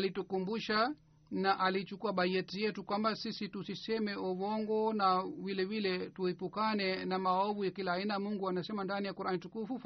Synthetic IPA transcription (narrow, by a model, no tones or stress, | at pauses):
litukumbuʃa | naʔalit͡ʃukuaɓad͡ʒɛtijɛtukwambasisitusisɛmɛɔvɔŋɡɔnavilɛvilɛtuhɛpukanɛnamaɔvujakilaːinamuŋɡuanasɛmandanijakuɾanitukufuf